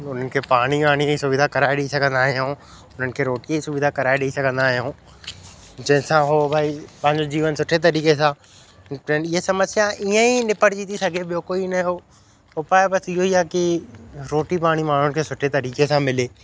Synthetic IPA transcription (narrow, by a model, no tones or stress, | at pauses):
ʊn̤ənɪ̆kʰeːpaːɽ̃imaːɽ̃iisʊbɪd̪ʱakɐɾaːeɗiisɐɡʱə̃nd̪aːɦijõː | ʊn̤ənɪ̆kʰeːɾoːʈiisʊbɪd̪ʱakɐɾaːeɗeisɐɡʱə̃nd̪aːɦijõː | d͡ʑɐ̃ɦɪ̃sãɦoːbʱaːipɐ̃ɦɪ̃ɲd͡ʑod͡ʑiːʋənsʊʈʰet̪ɐɾiːkesã | ɐnɪɦesɐməsjaʔiə̃inɪpəɽt͡ɕiːt̪isɐɡʱeɓijokoːinɐɦoː | ɦopaːebɐsɪɦoiaːkiɾoːʈipaːɽ̃imaːɳ̤ʊnɪ̆kʰeːsʊʈʰet̪ɐɾiːkesãmɪleː